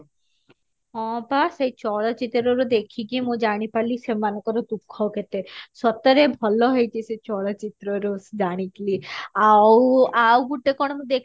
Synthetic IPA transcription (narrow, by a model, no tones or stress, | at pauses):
ɔ̃basejt͡ʃɔɭot͡ʃit̪ɾoɾod̪ekʰikimũd͡ʒaɽ̃ipaɾlisemanokɔɾod̪ukʰːɔwket̪eʃɔt̪ɔɾebʱɔloɦojt͡ʃʰiset͡ɕɔɭat͡ʃit̪ɾoɾosd͡ʒaɽ̃ikliawawɡuʈːekɔɽ̃omũd̪ekʰ